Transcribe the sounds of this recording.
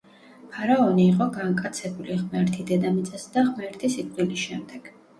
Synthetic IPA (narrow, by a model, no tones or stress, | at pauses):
pʰaɾaɔniːqʼɔɡaŋkʼat̪sʰɛbuliʁmɛɾt̪ʰid̪ɛd̪amit̪sʼɛsd̪aʁmɛɾt̪ʰisit̪ʼilisʃɛmd̪ɛɡ̥